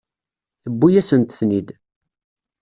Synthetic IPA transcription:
θəbːujæsənt̪θnid̪

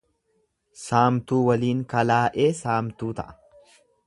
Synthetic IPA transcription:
saːmt̪uːwɐliːŋkɐlaːʔe̞ːsaːmt̪uːt̪ɐ̰ʔɐ̥

